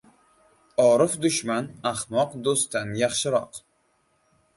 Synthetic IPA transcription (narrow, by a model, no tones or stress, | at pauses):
ɒɾɨfd̪ʊʃmanaχmɒqd̪ost̪ʰːanjɑχʃɪɾɒq